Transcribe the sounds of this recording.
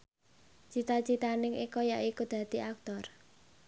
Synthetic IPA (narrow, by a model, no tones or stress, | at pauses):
t͡ʃit̪at͡ʃit̪anɪŋikɔjaʔikud̪̥ä̤d̪̥i̤ak̚t̪ɔr